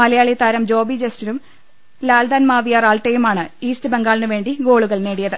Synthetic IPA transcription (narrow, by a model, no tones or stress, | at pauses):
mɐlɐjaːɭit̪aːɾɐmd͡ʑo̞ːbid͡ʑestinum | laːld̪aːnmaːʋijaːraːlʈːejumaːɳɨiːstɨbeŋɡaːɭinɨʋe̞ːɳɖiɡo̞ːɭuɣɐɭne̞ːɽijɐðɨ